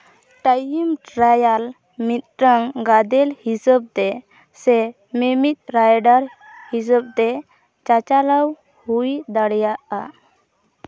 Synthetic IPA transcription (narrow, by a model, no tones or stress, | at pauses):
ʈajimʈɾajal | mit̪̚ʈəŋɡad̪ɛlhisəb̚t̪ɛ | sɛ | memit̪̚ˀɾajɖaɾ | his̬əb̚t̪ɛ | t͡ʃat͡ʃalaw | hujd̪aɽjaʔa